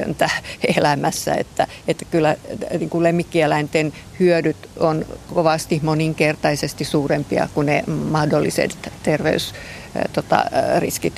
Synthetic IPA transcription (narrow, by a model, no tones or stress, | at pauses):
ø̰nt̪æelæmæsːæ̰ḛt̪ːæ | et̪ːæ̥kylːæniːŋkulemːikːielæint̪en | hyødyt̪onkoʋɑst̪ihmoniŋkert̪ɑisest̪isuːrempiɑ̰kunemɑhdolːisḛt̪t̪erʋḛys | t̪ot̪ɑ̰rḭskit̪